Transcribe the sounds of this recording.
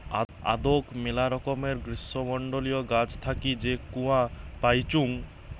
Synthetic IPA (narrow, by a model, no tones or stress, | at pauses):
a̰d̪okmelaɾɔkɔmeɾɡɾisɔmɔɳɖolijɔɡad͡ʑt̪ʰakid͡ʑekũãpajt͡ʃuŋ